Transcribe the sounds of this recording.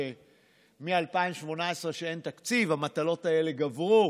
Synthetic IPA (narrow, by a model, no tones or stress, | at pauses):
mialpaimʃmo̞naesʁeʃeent̪akt͡sivamat̪alo̞tae̞le̞ɡavʁu